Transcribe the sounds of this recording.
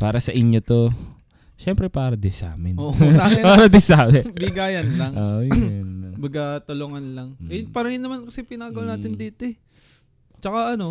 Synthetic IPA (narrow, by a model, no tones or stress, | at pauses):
paːɾɐsɐʔɪɲjot̪o̞ | ʃɛmpɾɛpaːɾɐd̪ɪsa̰ːmɪnpaːɾɐd̪ɪsaːmɛbɪɡaːjɐnlɐŋʔojnbɐɡat̪ɐloŋanlɐŋʔɛpɐɾɐŋɪnːɐmankɐsɛpɪnaːɡɐwɐnaːt̪ɪnd̪iːt̪o | t͡ʃɐkaʔɐno̞